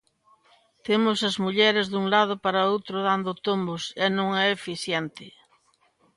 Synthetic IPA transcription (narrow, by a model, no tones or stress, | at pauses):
t̪emʊsɐzmuʎɛɾɪzðuŋlað̞ʊpaɾɐowt̪ɾʊðand̪ʊt̪ombʊsɛnõŋɛefiθjɛnt̪ɪ